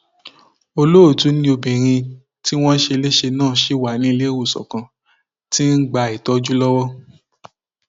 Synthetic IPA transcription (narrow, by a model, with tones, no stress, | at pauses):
o˧lo˦o˦˨tu˨˦nĩ˦o˧bẽ˨ɾ̃ĩ˧ | ti˦w̃ɔ̃˦ʃe˧le˦ʃe˧nãː˦˨ʃe˨˦wa˨nĩ˦˧le˦˨wu˦˨sɔ̰˨kã˧ | ti˦n̩˦ɡ͡ba˨˧i˨tɔ˨˧d͡ʒu˦lɔ˦wɔ˦